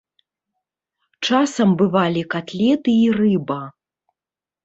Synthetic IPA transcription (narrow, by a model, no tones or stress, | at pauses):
t͡ʂasɐmbɨvalʲikat̪lʲɛt̪ɨirɨbɐ